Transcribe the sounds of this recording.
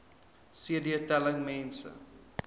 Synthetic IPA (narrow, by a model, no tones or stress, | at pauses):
siədiətɛləŋmɛ̃nsə̰